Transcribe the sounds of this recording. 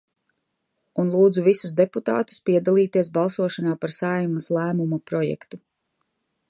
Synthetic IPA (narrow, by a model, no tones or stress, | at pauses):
unlˠuːd̪zuvisuzd̪eput̪a̰ːt̪u̥spiɛd̪alˠiːt̪iɛs̬balˠsuɔʃanaːpaɾsaːjumaslˠæːmumapɾɔjɛ̰kt̪u